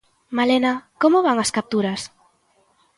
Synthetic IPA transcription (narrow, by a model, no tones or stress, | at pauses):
malenakomʊβaŋɐskap̚t̪uɾɐs